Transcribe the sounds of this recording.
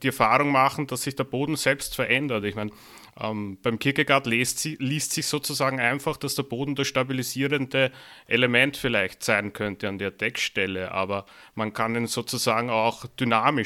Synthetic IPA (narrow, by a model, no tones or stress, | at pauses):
d̥iɛɐfaːʁʊŋmaχn̩d̥asːɪçd̥eːɐboːdn̩z̥ɛlpstfɛɐʔɛndɐtɪçmæɪn | ʔɛ̰mb̥æɪmkʰɪɐçəɡaɐtlstliːstsɪçz̥oːt͡suzaːɡŋ̩aɪnfaχd̥asd̥eɐboːdn̩d̥asʃtabiliziːʁəndəʔelemɛntfɪlæɪçtsæɪnkʰœntəandeːɐd̥ɛkʃtɛləʔa̰ːbɐmankʰaninz̥oːt͡suzaːɡŋ̩aʊxd̥ynaːmɪ